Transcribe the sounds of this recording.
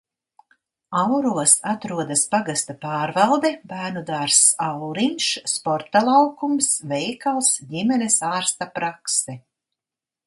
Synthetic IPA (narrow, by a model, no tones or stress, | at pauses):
awɾuɔsat̪ɾuɔd̪aspaɡast̪apɑːɾvalˠd̪ɛbæːɾnud̪aːɾsawɾinʃspɔɾt̪alˠawkumsvɛjkalˠsdimɛnesaːɾst̪apɾaksɛ